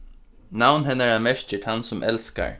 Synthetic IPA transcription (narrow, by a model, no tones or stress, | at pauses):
nawnɦɛnaɹamɛɹt͡ʃɪʈʰansʊmʔɛ̰lska̰ɹ